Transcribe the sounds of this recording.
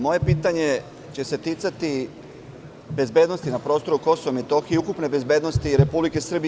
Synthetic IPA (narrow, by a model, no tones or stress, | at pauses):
mo̞je̞piːt̪aɲe̞ | t͡ɕe̞set̪it̪sat̪i | be̞zbe̞ːd̪no̞st̪inapɾo̞ːst̪o̞ɾuko̞soʋomet̪o̞xieukupne̞be̞zbe̞ːd̪nost̪iɾe̞publike̞sr̩bi